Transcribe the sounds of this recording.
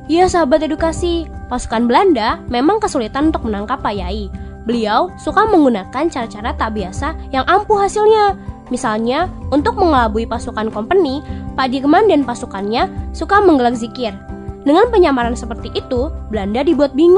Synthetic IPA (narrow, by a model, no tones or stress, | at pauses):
jasəɦabat̪edukasipasu̥kanbəlandamemaŋkəsulit̪anunt̪ʊk̚mənaŋkapːajaibəliawsukaməŋɡunakant͡ʃaɾat͡ʃaɾat̪aʔbiasajaŋʔampuɦasilɲamisalɲaunt̪ʊk̚məŋəlabuipasukankɔmpənipadik̬əmandɛnpasukanɲasukaməŋɡəlak̚zikɪrdəŋanpəɲamaɾansəpərt̪iʔit̪ubəlandadibuat̪̚biŋ